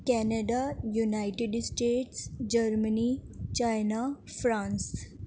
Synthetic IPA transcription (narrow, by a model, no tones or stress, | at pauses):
kɛnəɖajunajʈeɖsʈeːʈsd͡ʑəɾmənit͡ɕajnafɾãns